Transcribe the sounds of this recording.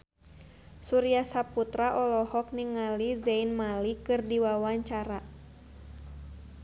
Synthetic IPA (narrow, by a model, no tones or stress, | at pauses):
suɾiasaput̪ɾaʔɔlɔhɔk̚niŋalizainmalikɨrdiwawaɲt͡ʃaɾa